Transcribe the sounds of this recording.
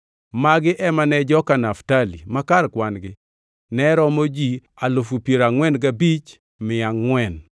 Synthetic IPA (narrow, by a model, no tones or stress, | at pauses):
maɡɪʔɛmanɛd͡ʒɔkanaftalimakarkwanɡɪ | nɛɾɔmod͡ʒi | alʊfupjeɾaŋwɛnɡabit͡ʃ | mɪaŋwɛn